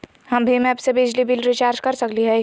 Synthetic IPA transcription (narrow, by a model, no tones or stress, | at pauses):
hɐmbʱimɛɐpsebid͡ʒlibʱɪlɾɪt͡ʃaːɾd͡ʒkɐɾsɐkliɦɛ